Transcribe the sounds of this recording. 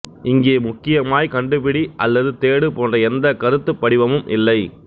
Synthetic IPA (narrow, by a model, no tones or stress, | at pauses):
ɪŋɡeːmʊkːɪjɐmaːjkɐɳɖɯpɪɽiʔɐlːɐðɯt̪eːɽɯpoːndrɐɛnd̪ɐkɐɾɯt̪ːɯpːɐɽɪʋɐmɯmʔɪ̰lːɐɪ